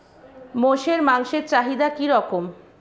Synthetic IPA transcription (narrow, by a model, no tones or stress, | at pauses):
moʃeɾmaŋʃeɾt͡ɕaɦid̪akiɾɔkom